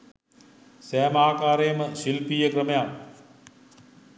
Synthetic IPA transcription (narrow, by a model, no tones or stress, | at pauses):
sæːmaːkaːɾeːməʃilpiːjəkɾɐmɐja